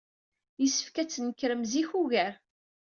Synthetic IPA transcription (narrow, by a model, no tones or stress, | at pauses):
jisə̥fkæt͡sːnəkːɾəmziçuʝæɾ